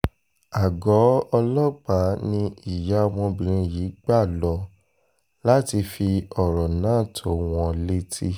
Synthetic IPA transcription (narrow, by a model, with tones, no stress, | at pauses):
a˨ɡɔ˨˦ɔ˧lɔ˦k͡pa˨˦nĩ˧i˨ja˨˦˧w̃ɔ̃˧bĩ˨ɾ̃ĩ˧jiː˨˦ɡ͡ba˦˨lɔ˧ | la˦ti˧fi˧ɔ˨ɾɔ˨nãː˨˦˨tʰo˨˦˨w̃ɔ̃˧le˦tʰi˦